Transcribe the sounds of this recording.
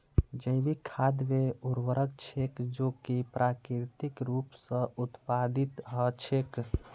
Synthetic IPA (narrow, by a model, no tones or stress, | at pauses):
d͡ʒəɪʋikʰad̪meuɾwəɾəkt͡ʃʰekd͡ʒokipɾʔakɾt̪ikɾupsə̃ut̪pad̪it̪ɦət͡ʃʰek